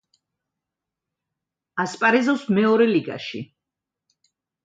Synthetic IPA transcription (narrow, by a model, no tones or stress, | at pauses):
aspʼaɾɛzɔsmɛɔɾɛliɡa̰ʃḭ